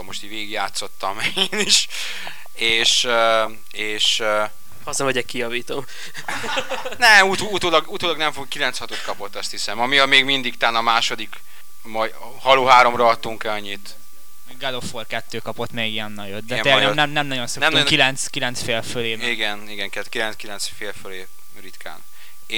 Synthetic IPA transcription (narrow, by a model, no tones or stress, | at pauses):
omoʃt̪iveːɡiɡjaːt̪so̞t̪ːɒmeeːniʃ | eːʃø | eːʃ | ɒzɛoɟɛkijɒviːt̪o̞m | nɛmut̪out̪oːlɒɡut̪oːlɒɡnɛɱfokilɛnt̪shɒt̪ot̪kɒpo̞t̪ːɒst̪hisɛmɒmijɒmeːɡmind̪ikt̪aːnɒmaːʃo̞d̪ik | mɒj | hɒloːɦaːɾo̞mrɒɒt̪ːuŋkɛɒɲːit̪ | ɡɛloforkɛt̪ːøːkɒpot̪ːmeːɡijɛnːɒjot̪̚d̪ɛɛnɛnɛmnɛmnɒɟo̞nsknɛmnukilɛnt̪skilɛnt̪sfeːlføleːiɡɛniɡɛŋkɛkilɛnskilɛnsfeːlføleː | rit̪kʰa̰ːnː